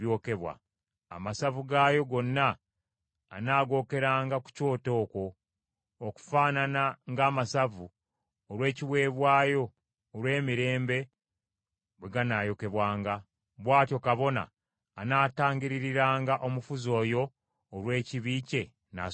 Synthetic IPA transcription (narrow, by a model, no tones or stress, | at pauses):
jo̞ke̞βwa̰ː | masavuɡaːjo̞ɡo̞nːaː | naːɡo̞ːke̞ɾaːŋɡaku̥co̞ːto̞ːko̞ː | ku̥faːnanaŋɡaːmasavu | oɾwe̞ːciwe̞ːβwaːjo̞ː | ɾwe̞ːmiɾe̞ːmbe̞ | βweɡanaːjo̞ke̞βwaːŋɡa | βwaːtjo̞kaβo̞na̰ː | naːtaːŋɟiɾiɾiɾaːŋɡaʔo̞mufuzo̞ːjo̞ː | ɾwe̞ːciβiːce̞ | na̰